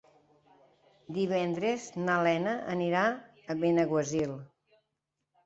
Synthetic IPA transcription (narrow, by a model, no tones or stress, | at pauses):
d̪iβɛnd̪ɾeznəlɛnəʔəniɾa | əβenəɣwəzilˠ